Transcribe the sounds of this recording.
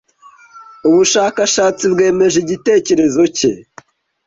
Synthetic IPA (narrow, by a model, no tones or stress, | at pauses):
uβuʃaːkaʃaːt͡sibɡe̞ːme̞ʒiɟite̞ːce̞ɾe̞zo̞ce̞